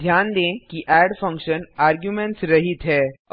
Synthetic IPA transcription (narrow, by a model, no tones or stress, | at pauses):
d̪ʱjaːnd̪ẽːkiʔɛːɖfʰɐ̃ŋkʃənaːɾɡjumẽɳʈsɾɐɦit̪ɦɛː